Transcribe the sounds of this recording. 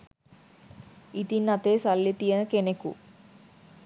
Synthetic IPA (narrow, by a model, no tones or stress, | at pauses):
it̪inːɐt̪eːsɐlːit̪ijɐnɐkenekṵ